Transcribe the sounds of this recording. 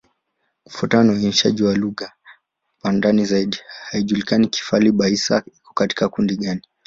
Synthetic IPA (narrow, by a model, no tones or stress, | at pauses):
kufutanauiniʃa̰ʄiwaluɣa | wandanizaiɗihaiʄulikaniki̥faliɓaisa̰ikɔ̥kati̥kakundiɠani